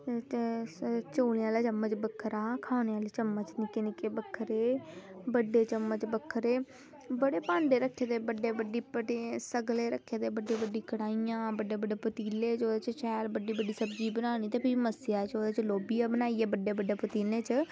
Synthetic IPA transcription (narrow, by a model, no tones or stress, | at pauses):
t͡ʃoːlãːlaːt͡ʃəmːət͡ʃbəkʰːɾaːkʰaːneːaːliːt͡ʃəmːət͡ʃnɪkeːnɪkeːbəkʰːəɾeːbəɖeːt͡ʃəmːət͡ʃbəkʰːəɾeː | bəɽeːpãːɳɖeːɾəkʰːeːd̪eːbəɖeːbəɖiːpəʈesəɡleːɾəkʰːeːd̪eːbəɖeːbəɖiːkəɽaːiãːbəɖeːbəɖeːpət̪iːleːt͡ʃoːd̪eːt͡ʃt͡ʃɛːlbəɖːiːbəɖiːsəbd͡ʒiːbənaːñiːt̪eːpʰiːməsjaːt͡ʃoːd̪eːt͡ʃloːbijãːbənaːiːeːbəɖeːbəɖeːpət̪iːleːt͡ʃ